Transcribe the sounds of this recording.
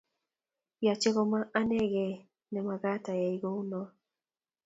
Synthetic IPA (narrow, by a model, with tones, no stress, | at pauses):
ja˨t͡ʃe˦ɣɔ˦ma˦ʔa˦nɛ˦ɡɛ˨ | nɛ˨ma˨ɡa˦ta˨ja˨i˨ɡo˦u˦nɔ˨